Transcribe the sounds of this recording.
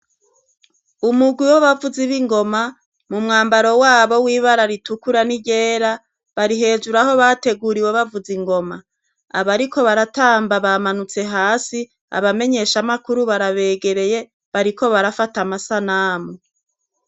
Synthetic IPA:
umuɡwiwoβavuziβiŋɡo̞ma | mumŋaːmbaɾo̞waːβo̞wiːβaɾaɾitukuɾaniɟeːɾa | βaɾiɦe̞ːd͡ʒuɾaho̞βate̞ɡuɾiweβavuziŋɡo̞ma | aβaɾiko̞βaɾataːmbaβamanut͡se̞ɦaːsi | a̰βame̞ɲe̞ʃamakuɾuβaɾaβe̞ːɡe̞ɾe̞je̞ | βaɾiko̞βaɾafatamasanaːmu

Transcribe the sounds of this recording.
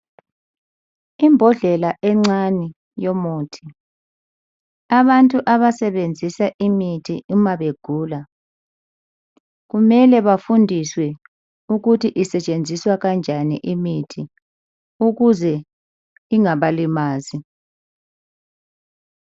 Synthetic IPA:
imbʱɔɮɛlaʔɛŋ͡ǀani | jomoːtʰi̥ | aβantʼuʔaβasɛβend͡zʱisaʔimitʰiʔumaβeɡ̥ʱuːla | ɣumɛlɛβafundʱiswɛ | uɣutʰiʔisɛt͡ʃʼend͡zʱiswaɣand͡ʒʱanḭʔimitʰi | uɣuzɛ | iŋaβalimaːzi

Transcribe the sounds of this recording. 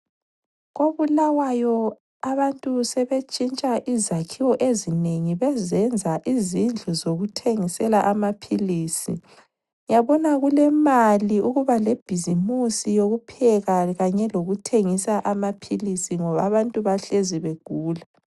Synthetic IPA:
ɣoβulawajɔ | aβantʼusɛβet͡ʃʼint͡ʃʼaʔizakʰiwɔʔezineŋiβɛzɛnd͡zʱaʔizind͡ɮʱuzoɣutʰeŋisɛlaʔamapʰiliːsḭ | jaβɔnaɣulɛmaliuɣuβaleb̥ʱizimusijoɣupʰɛɣaɣaɲɛloɣutʰeŋisaʔamapʰilisiŋɔβaβantʼuβaɬeziβeɡ̥ʱuːla

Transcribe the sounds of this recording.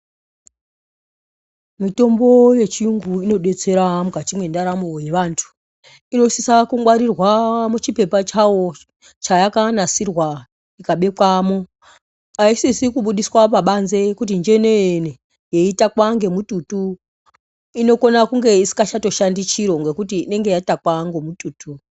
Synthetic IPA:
mito̞mbo̞je̞t͡ʃijuŋɡuino̞ɗe̞t͡se̞ɾamuɡʱatimwe̞ndaɾamo̞je̞ʋaːntʰu̥ | ino̞sisakuŋwaɾirwamut͡ʃipe̞pat͡ʃawo̞ | t͡ʃajakanasirwa | ikaɓe̞kwamo | aisisikuɓuɗiswapaɓanzekut̬ind͡ʒe̞ne̞ene | je̞itakwaŋɡe̞mututu | ino̞ko̞nakuŋɡe̞isi̥kat͡ʃato̞ʃandit͡ʃiɾo̞ŋɡekutiːne̞ŋɡe̞jaitakwaŋɡomutuːtu

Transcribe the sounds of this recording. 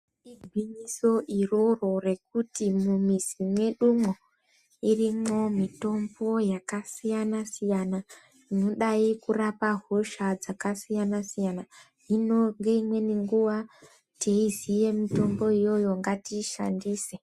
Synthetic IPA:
iɡʱwiɲiso̞ʔiroro̞re̞k̚utimumizimwe̞ɗumo | irimo̞mito̞mbo̞jakasijanasijana | ino̞ɗaikurapaɦoʃad͡zakasijanasijana | inoŋɡe̞imwe̞niŋɡuʋa | tʰeizije̞mito̞mbo̞ijo̞jo̞ŋɡatiʃa̰ndiːse

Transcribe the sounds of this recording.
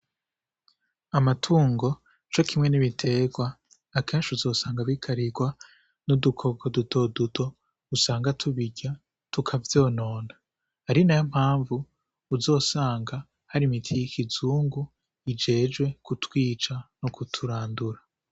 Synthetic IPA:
amatʰuːŋɡo̞ | t͡ʃo̞kʰimŋe̞niβitʰe̞ɡwaː | ke̞ːnʃuzo̞ːsaːŋɡaβikʰaɾiɡwa | nudukʰo̞ɡodutʰo̞ːdutʰo̞ | usaːŋɡatʰuβiɟa | tukʰavjo̞ːno̞ːna | haɾinajom̥haːɱvuː | zo̞ːsaːŋɡa | haɾimitʰijikʰizuːŋɡu | id͡ʒe̞ːd͡ʒwe̞kutwiːt͡ʃanokutʰuɾaːnduɾa

